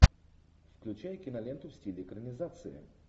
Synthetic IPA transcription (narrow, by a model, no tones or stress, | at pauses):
fklʲʉt͡ɕajkʲɪnɐlʲent̪ʊfsʲtʲilʲɪːkɾənʲɪzat̪sɨjɪ̰